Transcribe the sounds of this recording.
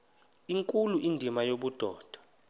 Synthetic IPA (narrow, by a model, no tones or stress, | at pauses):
iŋkʼuluʔindʱimajoɓud̥ʱɔːd̥ʱɔ̥